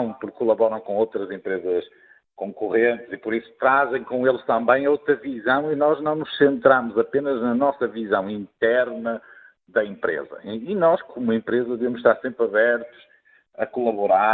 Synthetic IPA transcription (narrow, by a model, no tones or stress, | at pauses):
w̃puɾkːulˠɐβɔɾɐ̃w̃kõowt̪ɾɐzẽmpɾezɐʃ | kõŋkuʁẽnt̪zipɔɾisu̥t̪ɾazẽj̃kõelˠʃt̪ɐ̃mbɐ̃j̃owt̪ɾɐvizɐ̃w̃inɔʒnɐ̃w̃nuʃsẽnt̪ɾamuzɐpenɐʒnɐnɔsɐvizɐ̃w̃ĩnt̪ɛɾnɐ | ðɐẽmpɾḛzɐ̰inɔʃkʰomuẽmpɾezɐðɨvemuʃt̪aɾsẽmpɾɐβɛɾt̪u̥ʃ | ɐkulˠɐβuɾa